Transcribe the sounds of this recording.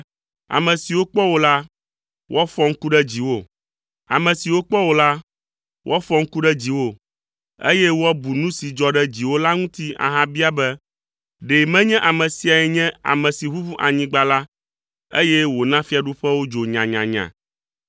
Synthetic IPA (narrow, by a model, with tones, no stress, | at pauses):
a̰˨mɛ̃˨si˨wo˦k͡pɔ˦wo˦la˦ | wʔɔ˦fɔ˦ŋ̩˦ku˦ɖɛ˦d͡ʑi˨wo˦ | a̰˨mɛ̃˨si˨wo˦k͡pɔ˦wo˦la˦ | wʔɔ˦fɔ˦ŋ̩˦ku˦ɖɛ˦d͡ʑi˨wo˦ | ḛ˦jɛ˦wɔ˦bu˨nũ˦si˨d͡ʒɔ˦ɖɛ˦d͡ʑi˨wo˦la˦ŋũ˦t̪i˦a̰˨ɦã˦bi˦a˦bɛ˦ | ɖe˨mɛ̃˦ɲɛ̃˦ʔa˨mɛ̃˨si˨a˨ɛ˨ɲɛ̃˦a̰˨mɛ̃˨si˨ɸu˦fu˦ʔa˨ɲĩ˨ɡ͡ba˨la˦ | ḛ˦jɛ˦wo˨nã˦fi˦a˨ɖu˦ɸɛ˦wo˦d͡ʒo˨ɲã˨ɲã̰˨ɲã̰˨